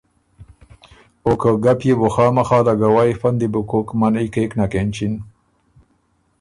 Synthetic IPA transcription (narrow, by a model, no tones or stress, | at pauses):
okəɡapjeboxɑːmaxɑːlaɡawaːjfand̪ibukokmanikeknakent͡ʃin